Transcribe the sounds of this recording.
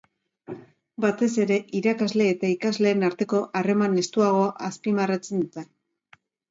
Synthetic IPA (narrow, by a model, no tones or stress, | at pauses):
bat̪e̞se̞ɾe̞ʔiɾakazle̞ːt̪aikazle̞ːnaɾt̪e̞ko̞ʔare̞mane̞st̪uaɣ̞o̞aʔaspimarat͡se̞nd̪ut̪en